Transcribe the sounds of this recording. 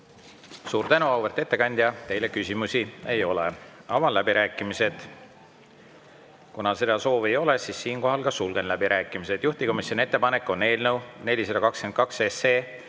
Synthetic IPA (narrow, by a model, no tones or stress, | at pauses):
suːɾt̪ænuɑwvert̪ːˑe̞t̪ːe̞kɑnʲd̪̥ʲjɑt̪e̞jle̞kysʲimusie̞jo̞lḛɑvɑlæbiɾʔæːkˑːimise̞d̪̥ | kunɑse̞d̪ɑso̞ːve̞jo̞le̞sisːiːnko̞ɦɑlkɑsulɡ̥e̞nlæbiɾʔæːkˑːimise̞d̪̥juht̪iko̞misjoniet̪ːe̞pɑne̞kːˑo̞ne̞ːlnəwne̞lʲise̥ɑkɑkske̞nd̪kɑksese̞ː